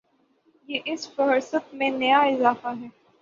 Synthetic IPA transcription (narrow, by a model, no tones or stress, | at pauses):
jeːʔɪsfɐɾsət̪mẽnɐjaɪzaːfaɦɛː